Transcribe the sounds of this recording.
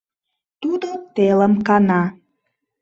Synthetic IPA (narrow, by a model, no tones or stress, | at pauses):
t̪ud̪ot̪eləmkɑnɑ